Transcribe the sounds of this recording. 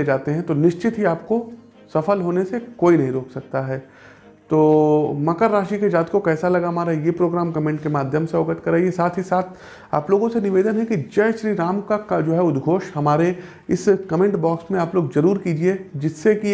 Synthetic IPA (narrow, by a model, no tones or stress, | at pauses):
ed͡ʒaːt̪eɦɛ̃t̪onɪʃt͡ʃɪt̪ɦiaːp̚ko | sɐfəlɦoːnesekoːinɐɦĩɾoːksɐk̚t̪aɦɛː | t̪oːmɐkəɾːaːʃiked͡ʒaːt̪kokɛːsalɐɡamaːɾaɦɛjepɾoːɡɾaːmkɐmẽːɳʈkemaːd̪ʱjəmseoːɡəʈʰkɐɾaːiesaːt̪ʰɦisaːt̪ʰ | a̰ːploːɡõsenɪʋeːd̪ənɦɛ̃kid͡ʒɐjʃɾiːɾaːmkaad͡ʒoːɦɛʊd̪ɡʱoːʃɦɐmaːɾe | ɪskɐmẽːɳʈbɔːksmẽaːploːɡzɐɾuːɾkiːd͡ʒied͡ʒɪsːeki